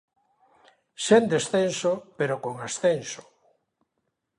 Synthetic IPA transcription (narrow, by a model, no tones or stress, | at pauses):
send̪esθensopeɾokoŋasθenso̥